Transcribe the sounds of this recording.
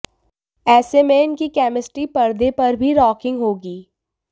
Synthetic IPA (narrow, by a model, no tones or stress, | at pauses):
ɛːsemẽɪnkikɛːmɪsʈɾipɐɾd̪epɐɾbʱiɾɔːkɪ̃ŋɡɦoːɡiː